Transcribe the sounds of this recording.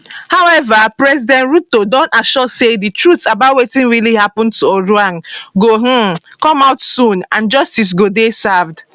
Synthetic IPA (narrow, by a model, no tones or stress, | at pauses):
hawɛvapɹɛzidɛ̃ntɹutodɔ̃ntaʃɔseditɹutsabat̚wetĩnɹilihapɔ̃ntuoɹuãnɡoɦ̩kɔ̃maʊtsũnãnd͡ʒɔstis̬ɡodesavd